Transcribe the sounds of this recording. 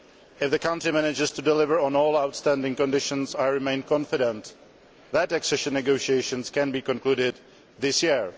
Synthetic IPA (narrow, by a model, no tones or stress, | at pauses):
ɪfðəkãʊ̃ntimænɪd͡ʒɪz̥tudɪlɪvə˞ɔ̃nɔːlˠawtstæ̃ndɪ̃ŋkɔ̃ndɪʃə̃nzaɪɹɪmẽɪ̃nkʰɔ̃nfɪɾɛ̃nt̪ | ðət̚ɛksɪʃə̃nːɛɡoʊʃieɪʃə̃nskɛ̃nbikɔ̃nkluːɾɪd̪̚ | ðɪsjɪɹ